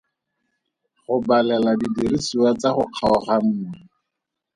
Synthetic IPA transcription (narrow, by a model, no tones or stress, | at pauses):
χʊbalɛladidiɾisuwat͡saχʊq͡χʰaʊχam̩ːŋi